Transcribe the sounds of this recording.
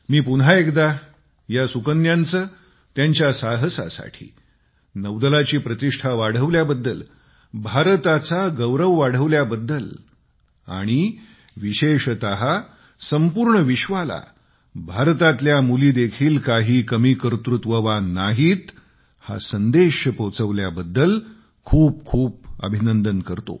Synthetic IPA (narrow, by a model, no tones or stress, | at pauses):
miːpunɦaekd̪a | jasukənjant͡səː | t̪jaɲt͡ɕjasaɦəsa̰sa̰ʈʰḭː | nəʋd̪əlat͡ɕiːpɾət̪iʂʈʰaʋaɽ̤əʋljabəd̪ːəl | bʱaɾt̪at͡saɡəʋɾəʋːaɽ̤əʋljabəd̪ːəl | a̰ɽ̃i | ʋiɕeʂt̪əɦa | səmpuːɾɳəʋiɕʋala̰ | bʱaɾt̪at̪ljamuliːd̪ekʰiːlkaɦiːkəmiːkəɾt̪ɾut̪ʋəʋanaɦiːt̪ | ha̰sənd̪eɕəpət͡səʋljabəd̪ːəl | kʰuːp̚kʰuːp̚ə̰bʱinənd̪ənkəɾt̪o̰